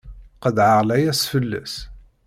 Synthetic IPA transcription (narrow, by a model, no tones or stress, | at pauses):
qəðʕəʁlæjæsfəlːæ̰s